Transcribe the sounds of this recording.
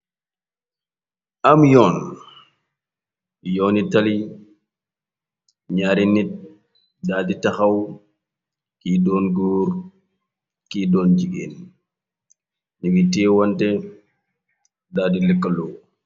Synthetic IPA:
amjɔːn | jɔnitali | ɲaːɾinit̚ | daːditaxaw | kiːdɔːnɡuːɾ | kidɔːnd͡ʒiɡḛn | niɡitiːwantɛ | daːdilɛkːalɔw

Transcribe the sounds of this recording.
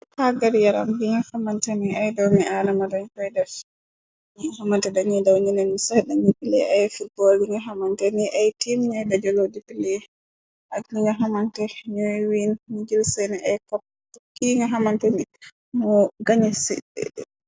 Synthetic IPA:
haɡaɾjaɾambiɲahamantɛniajdawmialamadaɲkɔjdaf | ɲihamantɛdaɲɛdawɲinɛnmisadaɲipilɛ̰ʔajfut̚bɔldiŋɡaɦamantɛniʔajtimɲajbad͡ʒɔlowdipilɛ | ʔaɡniɲɔɦamantɛɲuwinmid͡ʒilsɛniʔajkɔp̚ː | kiŋɡaɦamantɛni | mɔɡaɲisḭ

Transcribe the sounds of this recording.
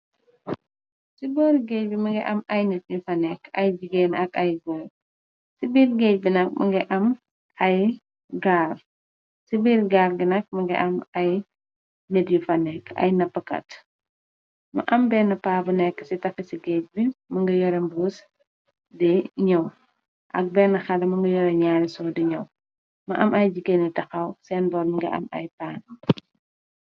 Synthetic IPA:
sibɔːɾɡɛːc̚bimɐŋɡɐʔɐmɐjnet̚ɲufɐnɛkɐ̰jbiɡɛnɐkɐjɡoːɾ | sibiːrɡɛc̚binɐk̚mʔɐ̰ŋɡɐʔɐm | ʔɐj | ɡaːr | sibiːrɡaːrɡinɐk̚mɐŋɡɐ̰ʔɐmɐj | netɲufɐnːɛkʰɐ̰jnɐpːɐkɐ̰t | mɐ̰ʔɐmbɛːnɐpaːbunɛkːə̥sitɐfɐsiɡɛc̚bimɐŋɡɐjɔɾɛmbuːs | dɛɲɐw | ʔɐ̰k̚bɛːnːɐxɐlɐmɐŋɡɐjɔɾɛɲaːɾisɔdiɲɐw | mɐʔɐmʔɐjd͡ʒikenitɐxɐwsɛnbɔːɾniŋɡɐ̰ʔɐ̰mɐ̰jpaːn

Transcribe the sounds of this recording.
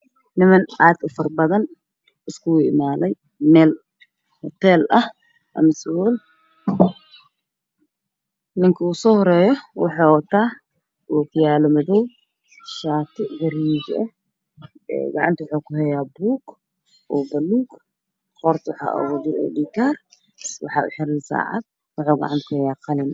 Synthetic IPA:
nɪmɐnʔaːd̪ʊfɐrbɐðɐn | ɪskʰʊʊɪmaːlɛj | mɛːl | hɔt̪ʰɛːlɐh | ʔɐ̰mɐsɔl | nɪŋkʰɐusɔːhɔɾɛːjɔwɑħɑːwɐt̪ʰaː | ʔukʰʊjaːlɐmɐðɔw | ʃat̪ʰɨʔɡɐɾid͡ʒʔe | ɡaʕa̰nt̪iwħokuhɐjabuk | bɐluk | xoɾt̪ʰuħa̰ʔwd̪iʔo̰dikaɾ | wʊħaʔħɐɾlsa̰ʕa̰t̪̚ | wʊħoɡa̰ʕa̰nt̪kʰuhjakɐlin

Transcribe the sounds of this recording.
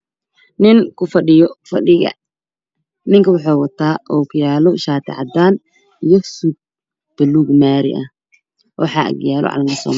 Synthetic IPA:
nɪŋkʰʊfɐɖɪjɔfɐɖɪɣɐ̰ | nɪŋkʰɐwʊħɑːwɐt̪ʰaːʔɔːkʰʊjaːlɔʃaːt̪ʰɪ̰ʕɑ̰d̪aːn | ijɔsub̚ | b̥ɛluːɡmaːɾɪ̰ʔɐh | wɑ̰ħɑːʔɐ̰ɡjaːlɔ̰ʕɑ̰lmɐsɔ̰ːm

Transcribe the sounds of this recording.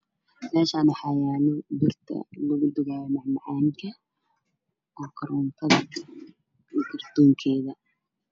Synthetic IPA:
mɛːʃaːnɐħɑjaːnɔb̪ɪrt̪ʰɐ̰lʊɣʊd̪ʊɣaːjɔmɑʕmɑʕaːŋkʰɐ | ʔɔkʰɐɾɔnt̪ʰɐðɐ | ikʰɐrd̪̥ɔːŋkʰɛːðɐ

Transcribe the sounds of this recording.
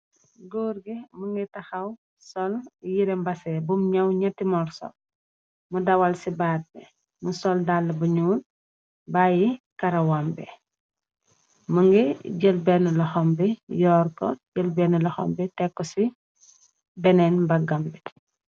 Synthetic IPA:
ɡoːɾɡimuŋɡitɐxɐw | sɔljiɾɛmbɐsɛbumɲɐwɲɐtːimɔrsɔ̰l | mudɐwɐlsibaːd̚bɛ | musɔldalːɐbɐɲuːt̚ | baːjikɐɾɐwambɛ | məŋɡiɟəlbɛnəlɐxɔmbɛjɔːrkɔɟəlbɛnəlɐxɔ̰mbitɛkːɔsi | bɛnɛnbɐɡɐmbi

